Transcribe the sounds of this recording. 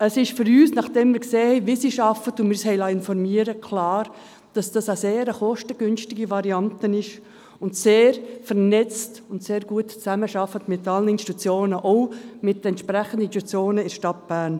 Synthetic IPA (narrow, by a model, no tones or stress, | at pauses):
əsɪʃfʏɾyːsnɑχd̥ɛmmɪːɾkseːhɛɪʋisiːʃɑfətʊnmɪshɛɪlɑɪnfɔɾmiːəɾəkʰlɑːɾ | d̥ɑsd̥ɑsaseːɾəχɔʃtəɡ̥ʏnʃtɪɡivɑɾiɑntənɪʃ | ʊntseːɾfɛɾnɛt͡stʊntseːɾɡ̥uətt͡sæməʃɑfətmɪtɑlənɪnsti̥tut͡sjoːnəʔoʊmɪtəɛntʃpɾɛχəndətyt͡sjoːnəɪɾʃtɑt̚b̥æːn